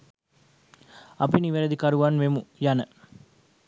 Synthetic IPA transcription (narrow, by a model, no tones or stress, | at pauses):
apiniʋeɾəd̪ikɐɾuʋanʋemujanə